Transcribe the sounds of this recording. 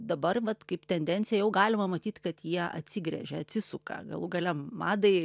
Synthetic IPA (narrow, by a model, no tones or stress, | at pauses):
d̪ɐbɐrʋɐt̪kɐɪpt̪ʲɛnʲd̪ʲɛnʲt̪t͡sʲɪjɛjɛʊɡɑːlʲɪmɐmɐt̪ʲiːt̪kɐt̪jiɛɐ̰t̪ʲsʲɪɡɾʲɛ̰ʒʲɛɐt̪ʲsʲɪsʊkɐ̰ɡɐ̰lˠuɡɐlʲɛmɑːd̪ɐɪ